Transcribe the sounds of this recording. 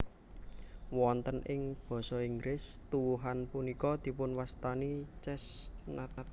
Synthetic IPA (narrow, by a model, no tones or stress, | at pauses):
wɔnt̪ənʔɪŋb̥ɔ̤sɔiŋɡɾɪst̪uwuɦanpunikɔd̪̥i̤pʊnwast̪anit͡ʃɛsnat̪a